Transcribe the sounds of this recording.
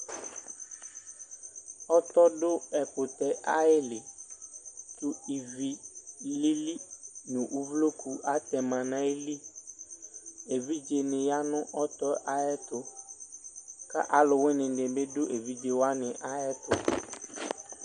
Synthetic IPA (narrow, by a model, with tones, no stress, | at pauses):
ɔ˦t̪ɔ˦ɖʊ˦ɛ˨pʊ˨t̪ɛ˦ʔa˦ɪ˦lɪ˨ | t̪ʊ˦i˨vi˨li˦li˦nʊ̃˨ʔu˦vlo˦kʰu˨a˦t̪ɛ˨mã˨nã˦e˦li˦ | e˨vi˦d͡ʒe˨nɪ̃˨ja˦nʊ̃˦ʔɔ˦t̪ɔ˦ʔa˦ɛ˦t̪ʊ˨ | ka̰˦ʔa˨lʊ˨we˦nɪ̃˨ɖɪ˨be˦dʊ˦ʔe˨vi˦d͡ʒe˨wa˦nɪ̃˨ʔa˦ɛ˦t̪ʊ˨